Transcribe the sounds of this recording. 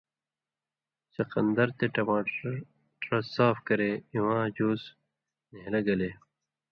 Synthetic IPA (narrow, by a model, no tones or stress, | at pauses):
sɐqɐnd̪ɐɾt̪eʈɐmaːʈ | ʈɾɐsaːfkɐɾeiwãːd͡ʑoːs | neɦlɐɡɐle